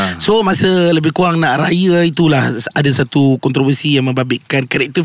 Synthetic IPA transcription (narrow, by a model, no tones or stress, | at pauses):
somãsələbɪhkuaŋnãʔɾajəit̪ulahadasat̪ukɔnt̪ɾɔvəsijaŋmə̃mbabɪʔkankaɾɛk̚t̪ə